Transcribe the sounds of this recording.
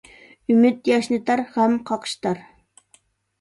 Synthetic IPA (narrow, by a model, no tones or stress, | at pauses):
ymɪt̪jɑʃnɨt̪ɑɾhɛmqʰɑqʰə̥ʃt̪ɑɾ